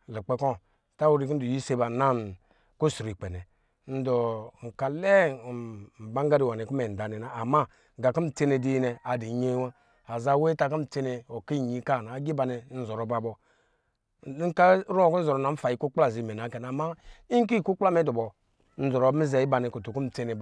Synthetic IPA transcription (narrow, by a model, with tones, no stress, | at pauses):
li˨k͡pe˦kɔ˦˨ | ta˦wu˦ɾi˨k̬n̩˦do˨ji˦se˦ba˨na˦n | ku˦su˨ɾi˨k͡pe˨nɛ˨ | n̩˦dɔ˨ŋ̩˨ka˨le˦˨ | m̩˨ba˦ŋ˦ɡa˦di˨wa˨ne˨ku˦me˨n̩˨da˨nɛ˨na˦a˨ma˦˨ | ɡa˨ki˦m̩˨t͡se˦ne˨di˦i˦ne˨a˨di˨˦ɲe˦wa˦ | a˨za˦we˦ta˦k̬i˦m̩˨t͡se˦ne˨o˨ki˦˨ɲi˨˦ka˦˨na˨˦ɡi˦ba˨ne˨˦n̩˨zɔ˨ɾɔ˨ba˨bɔ˨˦ | ka˦ɾu˦o˨kn̩˦zɔ˨ɾɔ˨na˨m̩˦fa˨ji˨ku˦k͡pla˦˨zi˨me˨na˨˦ke˨n˨a˨ma˦i˦ŋ˦k̬i˦˨ku˦k͡pla˦me˨˦dɔ˨bɔ˨ | n̩˨˦zɔ˨ɾo˨˦bi˦ze˨i˦ba˨ne˨ku˨tu˨ku˦m̩˨t͡se˦ne˨